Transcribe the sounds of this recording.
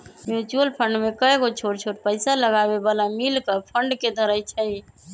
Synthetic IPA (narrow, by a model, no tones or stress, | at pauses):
mjut͡ʃuəlpʰəɳɖmekəɡot͡ʃʰoɽt͡ʃʰoʈpəɪsaləɡabebalamilkəpʰəɳɖked̪ʱəɾəjt͡ʃʰəi